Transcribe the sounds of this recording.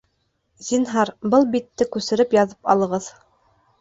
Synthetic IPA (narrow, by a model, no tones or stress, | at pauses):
zinɦɑɾbɤlˠbit̪ːɘkʉsɘ̆ɾɘpjɑðɤpɑ̰lˠɤ̆ʁɤð